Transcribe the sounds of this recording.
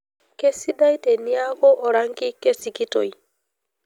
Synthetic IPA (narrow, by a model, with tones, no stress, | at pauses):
ke˦si˦da˦i˦te˨ni˦a˦ɣɔ˦ʔɔ˨ɾa˦ŋki˦ke˦si˨ki˦to̰˨i˨